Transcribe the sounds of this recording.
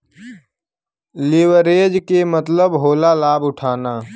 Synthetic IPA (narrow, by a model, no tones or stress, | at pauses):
lɪwəɾeːd͡ʒkemət̪ləbɦoːlalaːbʊʈʰaːnaː